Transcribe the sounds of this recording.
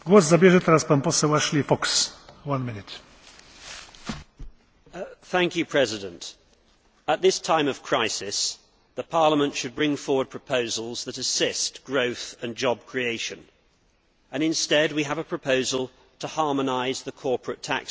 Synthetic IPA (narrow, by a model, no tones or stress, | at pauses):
ɡwɔszabjɛʒɛt̪ɛɾaspanpɔsɛwaʃlifɔkswanmɪnɪt̪ | θæ̃ŋkjɨpʰɹ̥ɛzɪdə̃nt | ət̪̚ðɪstʰãɪ̃mʌv̥kʰɹ̥aɪsɪs | ðəpʰɑɹləmə̃ntʃɨd̚bɹɪ̃ŋfɔɹwəd̚pʰɹ̥əpʰəʊzəl̩ˠzðəɾɨsɪstɡ̥ɹəʊθə̃nd͡ʒɒb̚kʰɹ̥ieɪʃɨ̃n | ɨ̃nɨ̃nstɛd̚wiəvəpʰɹ̥əpʰəʊzəlˠ | tʰəhɑɹmənaɪzðəkʰɔɹpʰɹətʰæ̰k